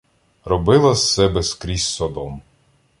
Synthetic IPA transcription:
rɔbɪlˠɐssɛbɛskɾʲizʲsɔd̪ɔm

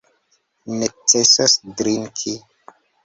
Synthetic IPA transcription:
net͡sesasdɾiŋkʰi

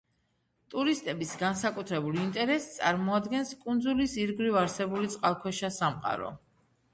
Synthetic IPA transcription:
t̪ʼuɾist̪ʼɛbisɡansakʼut̪ʰɾɛbulˠint̪ʼɛɾɛst̪sʼaɾmɔad̪ɡɛnskʼund̪zulisiɾɡɾivaɾsɛbulit̪sʼqʼalˠkʰwɛʃasamqʼa̰ɾɔ̰

